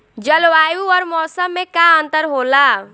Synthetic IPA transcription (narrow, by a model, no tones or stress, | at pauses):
d͡ʒəlʋajuɔɾmɔsəmːekaənt̪əɾɦola